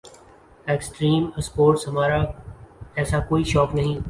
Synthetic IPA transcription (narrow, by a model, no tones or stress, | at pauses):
eːksʈɾiːməspoːɾʈsɦɐmaːɾa | ɛːsakoːiʃɔːknɐɦĩ